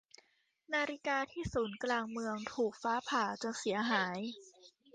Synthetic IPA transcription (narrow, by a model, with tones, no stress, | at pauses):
naː˧ɾi˦˥kaː˧t̪ʰiː˥˩suː˩˦nklaː˧ŋmɯ˧əŋt̪ʰuː˨˩k̚faː˦˥pʰaː˨˩t͡ɕo˧˩nsi˩˦ɐɦaː˩˦j